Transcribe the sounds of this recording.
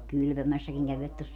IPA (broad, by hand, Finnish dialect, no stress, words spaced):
kylpømæsːækiŋ kæʋiʋæt tos